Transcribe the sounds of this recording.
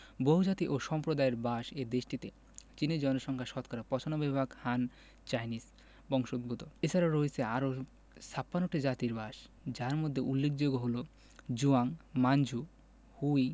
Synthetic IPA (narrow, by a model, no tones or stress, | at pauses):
boɦud͡ʑat̪iʔoʃɔmpɾod̪aeɾbaʃed̪eʃʈit̪e | t͡ɕineɾd͡ʑɔnoʃɔŋkʰaʃɔt̪kʰɔɾapɔt͡ɕʰonobɛbbʱakhan | t͡ɕajnis | bɔŋʃoud̪̚bʱut̪oet͡ɕʰaɾaɾoet͡ɕʰeaɾo | sapːanoʈid͡ʑat̪iɾbaʃ | d͡ʑaɾmod̪ʱːeʔulːek̚ʰd͡ʑoɡoɦolo | d͡ʑuaŋmand͡ʑʱu | huj